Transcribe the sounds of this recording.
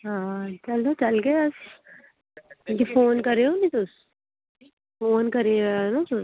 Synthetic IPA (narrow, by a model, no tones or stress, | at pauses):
ɦãːt͡ʃɐlot͡ʃɐlɡeɐs | kːk̪ifoːnkɐɾeonit̪ʊs | foːnkɐɾeːanat̪ʊ